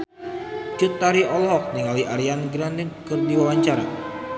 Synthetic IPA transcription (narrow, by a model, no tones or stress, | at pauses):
t͡ʃut̪ːaɾiʔɔlɔɦɔk̚niŋaliʔaɾianɡɾandinkɨrdiwawaɲt͡ʃaɾa̰